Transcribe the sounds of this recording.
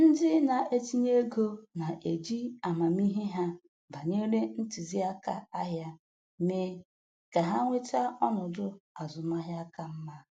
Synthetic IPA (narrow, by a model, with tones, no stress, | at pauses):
n̩˦dɪ˦na˨ʔe˦ti˦ɲ˦e˦ɡo˦na˨ʔe˨d͡ʒi˦a˨ma˨m˦i˦ɦe˦ɦa˦ | ba˨ɲe˦ɾe˦n̩˦ti˨zi˦a˦ka̰˦a˦ɦja˦ | me˦ | ka˨ɦa˦ŋʷe˦ta˦ɔ˦nʊ˨dʊ˦a˨zʊ˨ma˦ɦja˦ka˦m̩˦ma˦